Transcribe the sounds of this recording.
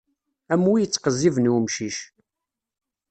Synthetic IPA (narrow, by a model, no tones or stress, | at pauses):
æmwijət͡sːqəzːivənumʃiʃ